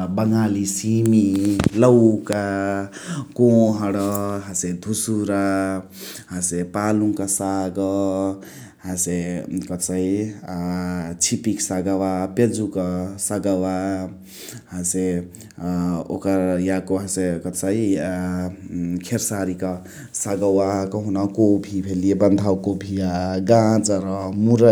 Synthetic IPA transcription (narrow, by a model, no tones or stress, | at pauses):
bəŋalisimilʌwka | kõɦʌɽʌɦased̪ʱusuɾa | ɦãsepalũŋkasaɡʌ | hãsekʌt͡sai | t͡ʃʰipiksaɡawaped͡zukasaɡawa | ɦãse | o̰kʌɾjakoɦãsekʌt͡sai | kʰeɾsaɾikʌ | saɡawakɔɦunakobʱibʱelijebʌnd̪ʱawkobʱijaɡãd͡zɾʌmuɾʌ